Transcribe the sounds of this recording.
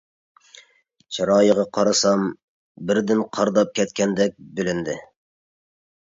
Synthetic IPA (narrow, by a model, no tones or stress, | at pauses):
t͡ʃʰɑɾɑːjəʁɑqʰɑɾɑsɑm | bɪɾd̪ɪnqʰɑɾd̪ɑp̚kʲɛt̪̚kʲʰɛnd̪ɛk̚ʲbɪlɪnd̪ɪ